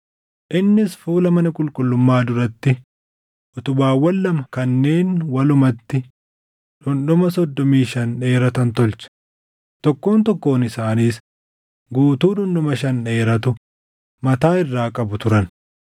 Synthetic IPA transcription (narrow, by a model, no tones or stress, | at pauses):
ʔɪnːɪsfuːlɐmɐnɐkʼʊlkʼʊlːʊmːaːd̪ʊɾɐt̪ːɪ | ʔɔt̪ʊbaːwɐlːɐmɐkɐnːe̞ːnwɐlʊmɐt̪ːɪ | ᶑʊnᶑʊmɐsɔd̪ːɔmiːʃɐnᶑe̞ːɾɐt̪ɐnt̪ɔlt͡ʃɐ̥ | t̪ɔkːo̞ːnt̪ɔkːo̞ːnɪsaːniːs | ɡuːt̪uːᶑʊnɗɔmɐʃ̬ɐnᶑe̞ːɾɐt̪ʊ | mɐt̪aːɪrːaːkʼɐbʊt̪ʊɾɐn